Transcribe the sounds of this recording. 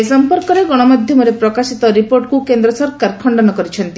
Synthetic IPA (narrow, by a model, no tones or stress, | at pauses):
esɔmpɔɾkɔɾeɡɔɽ̃ɔmad̪ʱjɔmɔɾepɾɔkasit̪ɔɾipoɾʈkukend̪ɾɔsɔɾkaɾkʰɔɳɖɔnɔkɔɾit͡ʃʰɔnt̪i